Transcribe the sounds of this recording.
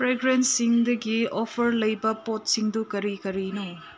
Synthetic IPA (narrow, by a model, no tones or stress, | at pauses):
pɾeɡɾentsiŋdɐɡiopʰɐɾlɐjbɐpot̚siŋdukɐɾikɐɾino